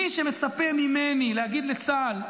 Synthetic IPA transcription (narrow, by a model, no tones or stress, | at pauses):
iʃeme̞t͡sapemimenilehaɡid̪let͡sal